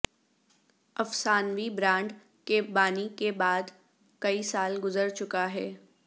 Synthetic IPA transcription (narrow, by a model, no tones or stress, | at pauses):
ɐfsaːnʋibɾãːɳɖ | kebaːnikebaːd̪ | kɐisaːlɡʊzəɾt͡ʃʊkaɦɛː